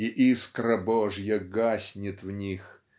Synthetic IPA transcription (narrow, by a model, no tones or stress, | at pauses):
iʔiskɾɐbɔʐjɐɡasʲnʲɪt̪vnʲix